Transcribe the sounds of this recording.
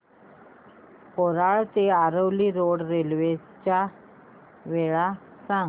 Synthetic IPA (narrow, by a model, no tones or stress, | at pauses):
poɾaɭt̪eaɾəʋliːɾoɽɾelʋe | t͡ɕja | ʋeɭa | sãŋ